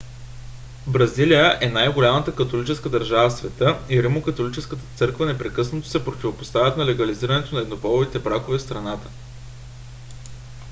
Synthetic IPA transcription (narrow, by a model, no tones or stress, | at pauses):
bɾɐzilijəʔɛnajɡolʲamət̪əkɐt̪olit͡ʃɛskəd̪ɐɾʒavəfsvɛt̪ɤiɾimokɐt̪olit͡ʃɛskət̪ə̥t̪sɤɾkvənɛpɾɛkɤsnɐt̪o̥sɛpɾot̪ʲivopost̪avʲət̪nɐlɛɡɐliziɾənɛt̪onɐɛd̪nopɔlˠovit̪ɛbɾakovɛfst̪ɾɐnat̪ə̥